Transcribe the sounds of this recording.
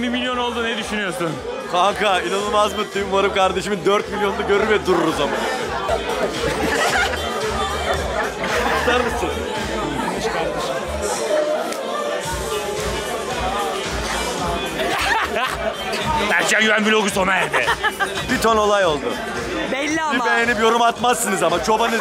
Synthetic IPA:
nimilʲjo̞no̞lˠd̪uned̪yʃynyjoɾsun | kʰakʰainanɯlˠmazmɯt̪ːymvaɾɯmkʰaɾd̪e̞ʃimind̪øɾt̪milʲjo̞nd̪aɟø̞ɾyɾvɛd̪uɾuɾuzaman | laɾmɯsɯn | ɯʃkʰaɾd̪eʃ | bæɾt͡ʃʰænjyvænbilʲoɡusonaæɾd̪ɛ | bit̪ʰono̞lˠajo̞lˠd̪ʊ | bɛlːibejenipjo̞ɾumat̪masːɯnɯzamat͡ʃʰo̞banɯ

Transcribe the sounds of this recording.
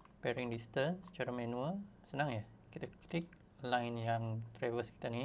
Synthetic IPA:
pɛɾiŋdist̪ənsə̥t͡ʃaɾamɛ̃nũəlsənãŋjə | kit̪akkik̚ | lajnjaŋt̪ɾavəski̥t̪ani

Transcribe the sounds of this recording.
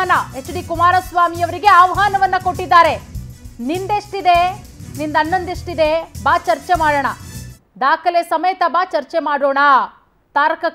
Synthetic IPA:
nɐest͡ʃːɐɽikumaːɾɐsʋaːmijɐʋɐɾiɡe̞ɐʋɦaːnɐʋɐnːɐko̞ʈːid̪ːaːɾe̞nind̪eʂʈid̪e | nind̪ɐnːɐnd̪eʂʈid̪ebaːt͡ʃɐɾt͡ʃemaːɽɐɳɐ | d̪aːkʰɐlesɐmejt̪ɐbaːt͡ʃɐɾt͡ʃemaːɽoːɳa | t̪aːɾkɐ

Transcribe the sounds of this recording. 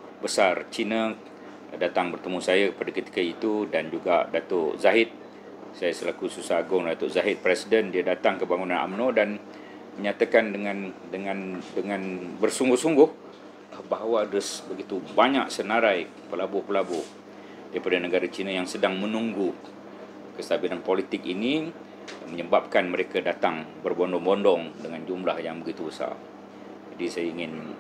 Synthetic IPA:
bəsart͡ʃina | dat̪aŋbərt̪əmusajakəpadakət̪i̥kəit̪udand͡ʒuɡadat̪ʊʔzaɦɪt̪̚ | sajasəlakususaaɡʊŋdat̪ʊʔzaɦɪt̪̚pɾɛsidəndiadat̪aŋkəbaŋunãnʔa̰mnodan | məɲat̪akandəŋãndəŋãndəŋãnbərsuŋɡʊhsuŋɡʊh | əbaɦawadəsbəɡit̪ubaɲaksənaɾaj | pəlabʊhpəlabʊh | daɾipadanəɡaɾat͡ʃinajaŋsədaŋmənuŋɡu | kəst̪abilanpolit̪ɪk̚ini | məɲəbap̚kanməɾekadat̪aŋbərbɔndɔŋbɔndɔŋdəŋand͡ʒumlahjaŋbəɡit̪ubəsa̰ | d͡ʒadisajaiŋɪn

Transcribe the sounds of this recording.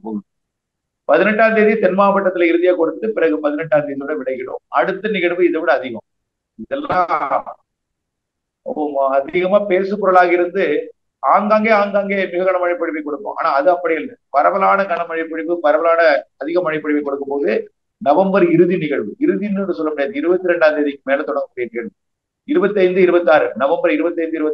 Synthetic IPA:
pɔɣɯ | pɐðɪnɛʈːaːnd̪iðit̪ɛnmaːpɐʈːɐt̪ːɪlɐɪɾɯðɪjaːkɔɽɯt̪ːɯpɪɾɐɣɯpɐðɪnɛʈːaːnd̪iːðiʋɪɽɐʋɪɭɐɪkːɪɽo̰ːmɐɽɯt̪ːɐnɪɣɐɭʋɯɪðɐʋɪɽɐːðɪɣɐ̰̃m | ɪðɐlːa | mɐðɪɣɐmaːpeːsɯpːɔɾɐɭaːɣɐɪɾɯnd̪ɯ | aːŋɡaːŋɡeːaːŋɡaːŋɡeːmɪɣɐɣɐɳɐmɐɳɪpːɐɽɪpːɐɪkɔɽɯkːõ̰ʔa̰ːnaːɐðɯɐpːɐɽɪɣɐɭpɐɾɐʋɐlaːnɐkɐɳɐmɐɻɪpːɐɽɪpːɯpɐɾɐʋɐlaːnɐːðɪɣɐmɐɳɪpːɐɽɪʋɐɪkːɔɽɯkːɯmpoːðɯ | nɐʋɐmbɐɾɪɾɯðinɪɣɐɭʋɯɪɾɯðinːɯɯsɔlːɐmʊɽɪjɐðɯɪɾɯbɐt̪ːɯɾɛɳɖaːd̪ɐðɪkːɯmeːlɐt̪ɔɽɐŋɡɐmːɽɪɪɾnɪɣɐɭɯ | ɪɾɯbɐt̪ːɐɪnd̪ɯɪɾɯbɐt̪ːaːɾɯnɐʋɐmbɐɾɪɾɯbɐt̪ːɐɪnd̪ɯɪɾɯbɐt̪ː

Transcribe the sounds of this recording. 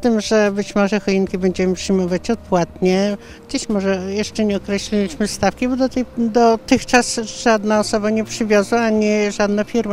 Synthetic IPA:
t̪ɘmʐɛbɘt͡ɕmɔʐɛxɔiŋkʲibɛɲd͡ʑɛmɘpʂɘjmɔvat͡ɕɔt̪̚pwat̪ɲɛ | ɡd͡ʑeɕmɔʐɛjɛʂt͡ʂɛɲɛɔkɾɛɕlʲilʲiɕmɘst̪afkʲibɔd̪ɔt̪ɛjd̪ɔt̪ɘxt͡ʂasʐad̪naɔsɔbaɲɛpʂɘvʲjɔzwaaɲiʐad̪nafʲiɾma

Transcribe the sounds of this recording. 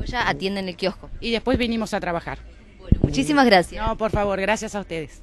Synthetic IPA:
oʒaːt̪jend̪enelkjohkoiðespwe̞zβinimosat̪ɾaβaxa̰ɾ | wenomut͡ʃisimazɣɾasjnopoɾfaβoɾɣɾasjasaust̪eðes

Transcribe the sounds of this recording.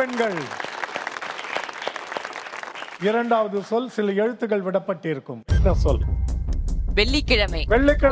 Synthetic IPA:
ɛnɡɐɭ | ɪɾɐɳɖaːʋɐðɯsɔlsɪlɐɛɻɯt̪ːɯɣɐɭʋɪɽɐpːɐʈːɪɾɯkːɯmɛnːɐsɔl | ʋɛɭːikːɪɻɐmɐɪʋɛɭːɪkːɪɽ

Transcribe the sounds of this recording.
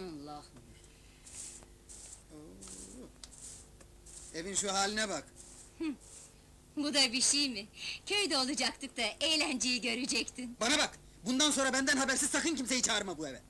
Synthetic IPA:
alˠːah | o | e̞vinʃuɦaːlʲinɛbak | h̩ | bud̪abiʃijmɪcʰøjd̪ɛolˠud͡ʒak̚t̪ʰɯk̚t̪aʔejlʲænd͡ʒejiɟø̞ɾed͡ʒɛct̪ʰɪnbanabak | bund̪anso̞nɾabænd̪ænɦabæɾsiz̥t̪ʰakɯncimse̞jit͡ʃʰaːɾmabuevɛ

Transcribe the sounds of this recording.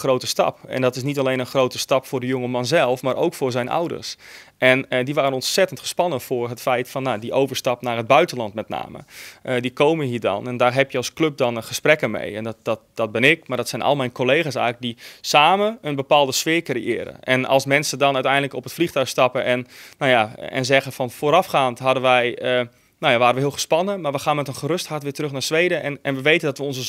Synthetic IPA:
xrowtəstɑ̰pɛ̰ndɔtɪs̬nitalejnənxrowtəstɑpfʊːrdəjoŋəmɑnzɛlˠfmaːɾʔo̰wkfʊːɹzɛjnʔa̰wdə̰ɹsʔɛnədiʋaːɾənɔntsɛtəntχə̥spɑnəfʊːrɦətfɛjtfɔnːadiʔowvəɹstɑpnaːrɦəd̚bœɥtəlɑntmɛtna̰ːmə̰ədikowməɦiːɹdɔ̰nɛndaːrɦɛpjəɑlˠsklɵp̚dɔnəχəsprɛkəmḛjɛnddtd̥ɔt̚bɪnɪkmadɔtsɛjnʔɔ̰lˠmɛjnkolejɣaːs̬ɛ̰lək̚disaːməənbəpaːlˠdəsfɪːkriɪ̰ːɾə̰ʔɛnɑ̰lˠsmɛnsədɔnœɥtɛjndləkɔpətflixtœɥxstɑpəɛnːojaɛ̰nzɛɣənfɑnfoːɾɑfχaːntɦɑdənʋɛjə | nowjaʋaːɾənʋəɦiːlˠχə̥spɑnəmaɹʋəxaːnmɛtənχəɾɵsthaɹtʋɪːtərɾɵxnaːɹsʋejdəɛnɛnʋəʋejtəndɑtʋəɔnzə

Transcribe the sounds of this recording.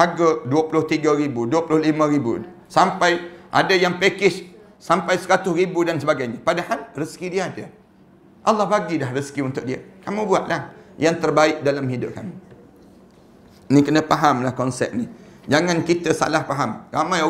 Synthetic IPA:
haɡaduəpulʊht̪iɡaɾibuduəpulʊhlimə̃ɾibṵ | sampajʔa̰dajaŋpekɪs | sampajsəɾat̪ʊsɾibudansəbaɡajɲapadahalrəskidiaːda | ʔalːɑhbaɡidahrəskiunt̪ʊk̚diə̰kamũbuaʔlahjaŋt̪ərbaɪk̚dalamɦidʊʔ̚kamu | nĩkənəpaɦamlahkɔnsɛ̰p̚ni | d͡ʒaŋãnkit̪əsa̰lahpaɦamɾamãja

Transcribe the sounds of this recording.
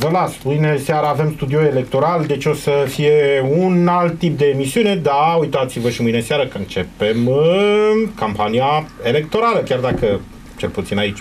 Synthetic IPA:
vəlasmɨjne̞seaɾaːve̞mst̪ud̪io̞e̞le̞k̚t̪o̞ɾald̪e̞t͡ʃʲo̞səfije̞unalt̪ːip̚d̪e̞ːmisiune̞d̪aujt̪at̪sivəʃimɨjne̞seaɾəkəɨnt͡ʃe̞pe̞mɨ | kampaniae̞le̞k̚t̪o̞ɾaləkʲard̪akə | t͡ʃe̞lput̪sinait͡ʃʲ

